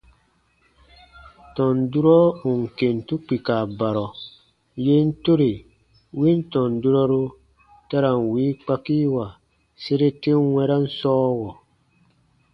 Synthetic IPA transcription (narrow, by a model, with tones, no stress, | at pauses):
tɔ̃˨ndu˦ɾɔ˦u˨ŋ˨ke˨n˨tu˦k͡pi˨ka˨ba˨ɾɔ˨ | je˦n̩˦to˦ɾe˨ | wi˦n˦tɔ̃˨ndu˦ɾɔ˦ɾu˦ | ta˦ɾa˨ŋwiː˨˦k͡pa˦ki˦wa˨ | se˦ɾe˦te˦ŋ˦wɛ˦ɾa˦n̩˦sɔː˦wɔ˨